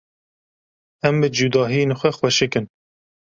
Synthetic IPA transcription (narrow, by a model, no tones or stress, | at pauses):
ɛmbɨd͡ʒud̪ɑːɦienxʷɛxwɛʃɨkɨn